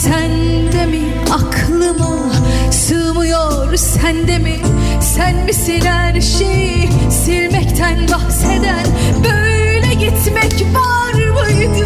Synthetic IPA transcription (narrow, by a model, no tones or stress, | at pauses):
sæn | d̪emi | akʰlˠɯma | sɯːmɯjo | ɾsænd̪emi | sænmisenæɾʃejseɾmɛct̪ʰænbahsed̪ænbøjlʲɛɟit̪mɛcva | ɾbuj̪